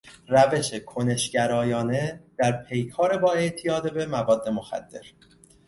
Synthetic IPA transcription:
ræve̞ʃekʰone̞ʃɟæɾɒːjɒːne̞d̪̥æɾpʰe̞jkʰɒːɾe̞bɒːe̞ʔt̪ʰijɒːd̪ebe̞mævɒːd̪ːe̞mo̞xæ̰d̪̥ːe̞̰ɾ

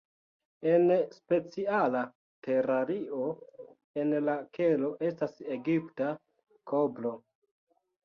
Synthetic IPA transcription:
e̞nspe̞t͡siala | te̞ɾaɾio̞ | e̞nlakʰelo̞ʔe̞stase̞ɡipta | kʰoblo̞

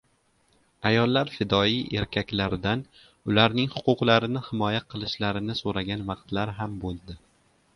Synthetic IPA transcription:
ajɒlˠːaɾfɪd̪ɒijʔe̞ɾkʲʰakʲlaɾɪd̪an | ʊlaɾnɪŋhʊqʰʊqlˠaɾɪnɪhɪmɒjaqʰɨlˠɪʃlaɾɪnɪsoɾaɡʲanvɑqt̪laɾɦambolˠd̪ɪ

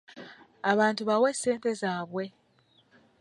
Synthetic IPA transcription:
aβaːntuβawesːe̞ːnte̞zaːβwe̞

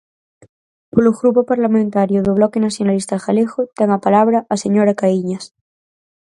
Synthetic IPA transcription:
poloɣɾupopaɾlamẽnt̪aɾjoðoβ̞lɔkenaθjonalist̪axalexot̪ɛŋapalaβɾaʔaseɲoɾakaiɲas

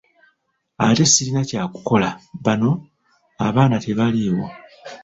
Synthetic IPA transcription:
ate̞silinacaːku̥ko̞laβano̞ | aβaːnate̞βaliwo̞

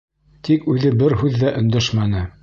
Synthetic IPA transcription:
t̪ikʉðɘbɘɾɦʉðːæʔɵ̆nd̪æʃmænɘ

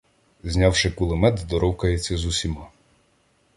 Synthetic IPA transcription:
zʲnʲɑwʃɪkʊlˠɪmɛd̪d̪ɔɾɔwkɐjet͡sʲːɐzusʲimɑ

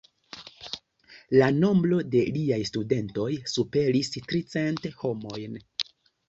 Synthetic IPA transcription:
lano̞mbɾo̞de̞liajstude̞nto̞jsupe̞ɾistɾit͡se̞ntho̞mo̞jn

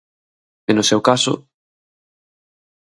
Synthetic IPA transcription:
enʊsewkasʊ̰

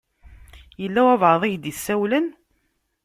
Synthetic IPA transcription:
jəlːæwævʕəðˤɪʝd̪isːæwlən

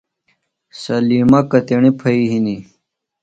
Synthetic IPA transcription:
sɐlimɐkɐt̪eɳipʰɐiɦini

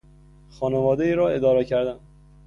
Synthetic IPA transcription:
xɒːnevɒːd̪eiːɾɒːe̞d̪ɒːɾecʰæɾd̪æn

